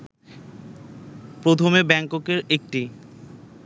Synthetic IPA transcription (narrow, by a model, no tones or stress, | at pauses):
pɾot̪ʰomebɛŋkokeɾek̚ʈi